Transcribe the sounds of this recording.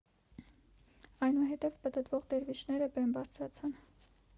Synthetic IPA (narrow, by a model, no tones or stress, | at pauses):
ɑjnuɦɛt̪ɛvpət̪ət̪vɔʁd̪ɛɾvit͡ʃʰnɛɾəbɛnbɑɾt͡sʰɾɑt͡sʰɑn